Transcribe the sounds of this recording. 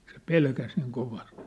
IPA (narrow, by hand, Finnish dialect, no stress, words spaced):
se pelkæs niːŋ koʋɑst